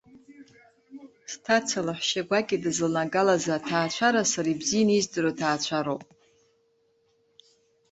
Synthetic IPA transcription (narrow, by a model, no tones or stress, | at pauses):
stʰat͡sʰalaħʷʃaɡʷakʲʼidɨzlnaɡalazatʰaːt͡ɕʷʰaɾasaɾaibzijnizdɨɾotʰaːt͡ɕʷʰaɾowpʼ